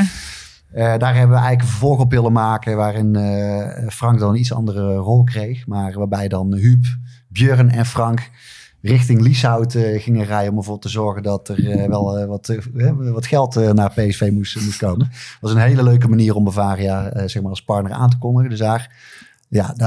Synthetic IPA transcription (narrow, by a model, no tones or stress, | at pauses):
ədaːɹɦɛbəʋəɛjɣələkənvəɹvɔlˠxɔpʋɪlˠənmaːkəʋaːrɪnəfrɑŋk̚dɑnənitsɑ̰ndərərɔlˠkrejxmaːrʋaːbɛjdɑnɦyp | bjøːrnɛnfrɑŋk | rɪxtɪŋlisawtəɣɪŋərɛjənɔmbəvoːbɪlˠtəzɔɹɣəndɑtərʋɛlˠʋɑtɦɛʋɑtxɛlˠtənaːrpejɛsfejmumustkowmənʋɑsənɦejləløɥk̬əmaniːrɔmbəvaːrəjaz̥ɛxmaːrɑlˠspɑɹtnəɹa̰ːnt̬əkɔndəɣəndɵsdaːr | jad